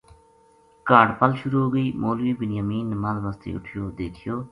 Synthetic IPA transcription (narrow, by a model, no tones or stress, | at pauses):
kaːɖpəlʃʊɾuɡəiːmoːlʋiːbɪnjaːmiːnːmalʋaːst̪ḛːʊ̰ʈʰɪjoːd̪eːk̪ʰɪjoː